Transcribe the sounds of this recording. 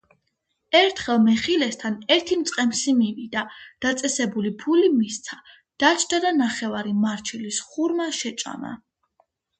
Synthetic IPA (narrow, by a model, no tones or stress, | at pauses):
ɛɾt̪ʰχɛlˠmɛχilɛst̪ʰanɛɾt̪ʰimt̪sʼqʼɛmsimivid̪ad̪̥at̪sʼɛsɛbulipʰulimist̪sʰa | d̪̥at͡ʃʰd̪̥ad̪anaχɛvaɾimaɾt͡ʃʰilisχuɾmaʃɛt͡ʃʼa̰ma̰